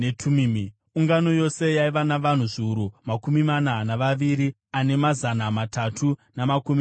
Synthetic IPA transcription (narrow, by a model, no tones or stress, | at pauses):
netʰumimi | uŋɡano̞jo̞se̞jaiʋanaʋan̤uʐiuɾumakumimananaʋaʋiɾi | ane̞mazanamatatʰunamakumi